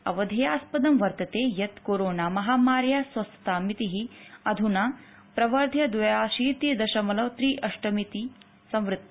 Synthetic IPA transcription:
ɐ̰ʋɐd̪ʱɐjaːspɐd̪ɐmʋɐɾt̪ɐt̪eːjɐt̪koːɾoːnaːmɐɦaːmaːɾjaːsʋɐst̪ɐt̪aːmit̪iɦiɐd̪ʱunaː | pɾɐʋɐɾd̪ʱjɐd̪ʋɐjaːʃiːt̪id̪ɐʃɐmɐlɐʋt̪ɾiːʔɐʂʈɐmit̪i | sɐ̃mʋɾɨt̪ː

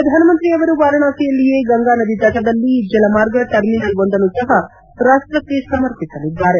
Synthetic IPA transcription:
ɾɐd̪ʱaːnɐmɐnt̪ɾiɐʋɐɾuʋaːɾɐɳaːsɐjɐlːijeːɡɐŋɡaːnɐd̪id̪ɐʈɐd̪ɐlːid͡ʒɐlɐmaːɾɡɐʈɐɾminɐlʋond̪ɐnusɐɦɐ | pɾaːst̪ɾɐt̪ːesɐmɐɾpisɐlid̪ːaːɾe

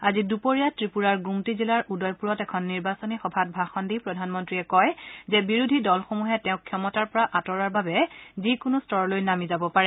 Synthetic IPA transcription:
azidupoɹijatɹipuɹaɹɡɹumtizilaɹudɔjpuɹɔtɛkʰɔnːiɹbasɔnixɔbʱat̚bʱaxɔndipɹɔdʱanmɔntɹiɛkɔjzɛbiɹudʱidɔlxomuɦɛtɛʊ̃kʰːjɔmɔtaɹpɔɹaʔatɔɹaɹbabɛzikʊnʊstɔɹɔlojnamizabɔpaɹɛ

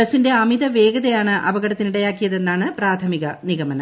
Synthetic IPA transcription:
ɐsinde̞ɐmiðɐʋe̞ːɡɐðɐjaːɳɨʔɐbɐɣɐɽɐt̪ːiniɽɐjaːkːijɐðe̞nːaːɳɨpraːt̪ʰɐmiɣɐniɣɐmɐnɐ

